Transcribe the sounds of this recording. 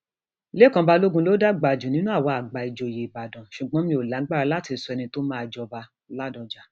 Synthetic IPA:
le˦˨kã˧ba˧lo˦ɡũ˧lo˨˦da˦ɡ͡ba˨d͡ʒũ˨nĩ˨˦nũ˦a˦˨wɔ˧a˨ɡ͡ba˨i˨d͡ʒo˨˧˨je˨i˨ba˨dã˨ʃu˨ɡ͡bɔ̃˦mĩ˧o˨la˨˦ɡ͡ba˦˨a˨˧la˦ti˨˧˦su˧ɛ˧nĩ˧to˦mã˦˨˧d͡ʒɔ˧ba˧ | la˦dɔ̃˨d͡ʒa˨˦

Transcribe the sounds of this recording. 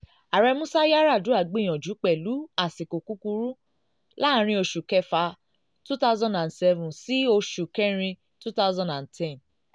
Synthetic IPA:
a˨ɾɛ˧mũ˦sa˦ja˦ɾa˦˨du˨˦a˦˨ɡ͡be˨˦˨j̃ɔ̃˨d͡ʒu˨˦k͡pɛ˨lu˨˦a˦˨si˨ko˨ku˦ku˧ɾu˦ | la˦˨˦ɾ̃ĩ˧o˧ʃu˨kɛ˧fa˧ | tu˦ta˦zɔ̃˦ndã˨nsɛ˧vũ˨si˦o˧ʃu˨kɛ˦ɾ̃ĩ˧ | tu˦ta˦ʊzɔ̃˨ndã˨ntʰɛ̃˦˨n

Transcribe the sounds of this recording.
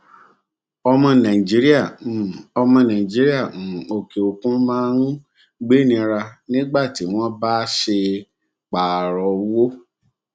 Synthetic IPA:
ɔ˧mɔ̃˧nã˨ĩ˨d͡ʒi˦ɾi˦a˦˨ɔ˧mɔ̃˧nã˨ĩ˨d͡ʒi˦ɾi˦ã˦˨o˨ke˨o˨kũ˦mãː˦ɾũ˦ | ɡ͡be˦nĩ˧ɾa˧nĩ˦ɡ͡ba˦˨ti˨˦w̃ɔ̃˦ba˦ʃe˧ | k͡pa˨ɾɔ˨˦wo˦

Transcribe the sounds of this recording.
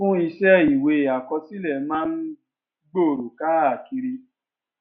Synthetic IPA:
ũ˦i˧ʃɛ˦i˨we˧˨a˨kɔ˧ti˦lɛ˦˨mãː˦n̩˦ | ɡ͡bo˦˨ɾo˨ka˦a˨ki˧ɾi˧

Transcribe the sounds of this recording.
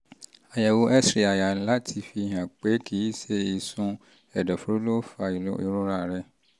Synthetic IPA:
a˨ja˨wo˦ʔɛ˦sɾi˨a˨ja˨la˦tʰi˨fi˨ɦã˨k͡pe˦kʰi˨˦i˦se˦i˨sʊ̃˦ | ɛ˨dɔ˨fɾo˦lo˦fa̰˨˦i˦ɾʊ˦ɾa˨ɾɛ˦

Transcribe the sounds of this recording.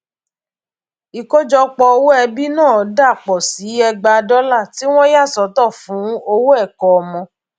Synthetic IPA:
i˨ko˦d͡ʒɔ˧k͡pɔ˧o˧wo˦ɛ˧bi˦nãː˦˨da˦˨k͡pɔ˨si˨˦ɛ˧ɡ͡ba˧dɔ˦la˦˨ti˨˦w̃ɔ̃˦ja˦˨sɔ˨˦tɔ˦˨fũ˨˦o˧wo˦ɛ˦˨kɔ˨ɔ˧mɔ̃˧

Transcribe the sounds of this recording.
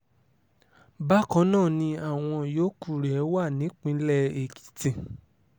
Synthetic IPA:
ba˦kɔ̃˨˦nãː˦˨nĩ˧a˦˨w̃ɔ̃˧joː˦ku˦˨ɾɛ˨˦wa˦˨nĩ˨˦k͡pĩ˦lɛ˦e˨ki̥˨˦tĩ˧˨

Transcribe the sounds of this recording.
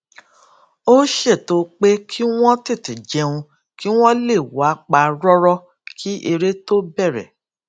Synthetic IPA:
o˦ʃe˦˨to˨˧k͡pe˦kʰi˦w̃ɔ̃˦ti˦˨ti˨d͡ʒɛ˧ũ˧ | ki˦w̃ɔ̃˦le˦˨wa˨˦k͡pa˧ɾɔ˦ɾɔ˦ | kʰi˦ʔe˧ɾe˦to˦bɛ˦˨ɾɛ̰˨

